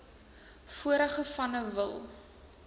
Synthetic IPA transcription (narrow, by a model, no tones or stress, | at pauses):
fuəɾəχəfɐnəvə̰lˠ